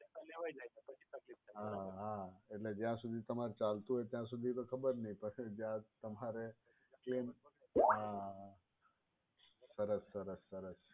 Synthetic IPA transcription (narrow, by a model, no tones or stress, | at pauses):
leʋaid͡ʒajeət͡ʃiəkiɦaɦãeʈled͡ʒjãsud̪ʱit̪əmaɾet͡ʃalt̪ũɦojt̪jãsud̪ʱit̪okʰəbəɾnəĩpəd͡ʒjãt̪əmaɾe | klemɦa | səɾəsːəɾəsːəɾəs